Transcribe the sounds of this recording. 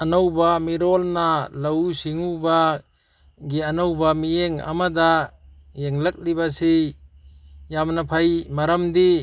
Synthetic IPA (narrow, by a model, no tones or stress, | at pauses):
anawbamiɾɔlnalawsiŋuba | ɡianawbamijeŋa̰mada | jeŋlɐk̚libasi | jamnapʰajmaɾamdi